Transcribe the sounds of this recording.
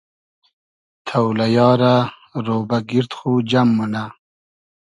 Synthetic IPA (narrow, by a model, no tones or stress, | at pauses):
t̪ʰawlajɑːɾa | ɾoːbaɡiɾt̪xud͡ʑamːuna